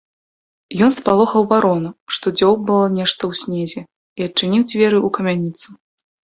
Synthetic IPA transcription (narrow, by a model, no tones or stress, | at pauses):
jɔnspalˠɔxɐwvaɾɔnuʂt̪ɔd͡zʲɔwbɨlˠɔnʲɛʂt̪ɐwsʲnʲɛzʲɛ | iɐt͡ʂɨnʲiwd͡zʲvʲɛɾɨukɐmʲanʲit̪su